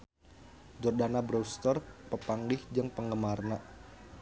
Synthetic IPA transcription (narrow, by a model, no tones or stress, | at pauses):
d͡ʒɔrdanabɾɔst̪ərpəpaŋlɪhd͡ʒəŋpəŋɡəmarnaʔ